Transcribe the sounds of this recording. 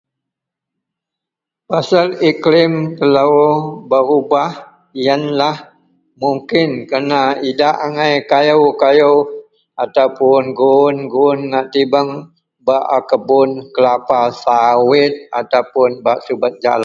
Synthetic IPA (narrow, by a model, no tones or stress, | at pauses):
pasaliklɪmt̪əlabəɾubah | janlah | muŋkɪnkərnaidaʔaŋajkajəwkajəw | at̪awpʊnɡunɡunːaʔt̪ibəŋ | baʔakəbʊnkəlapasawɪt̪̚a̰t̪awpʊnbaʔsubət̪̚d͡ʒa̰la